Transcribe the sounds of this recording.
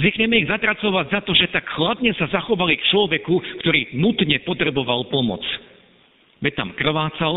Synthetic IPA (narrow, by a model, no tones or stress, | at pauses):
zikɲɛmɛiɣzat̪ɾat͡sɔʋaɟzat̪ɔʒɛt̪akxlad̪ɲɛsazaxɔʋalikt͡ʃlɔʋɛkukt̪ɔɾiːnut̪ɲɛpɔt̪ɾɛbɔʋalpɔmɔ̰t͡s | bɛct̪a̰mkr̩ʋaːt͡sal